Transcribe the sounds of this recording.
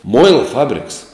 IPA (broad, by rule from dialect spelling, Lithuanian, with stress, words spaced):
ˈmʊɪlˠɐ ˈfɑːbʲrʲɪks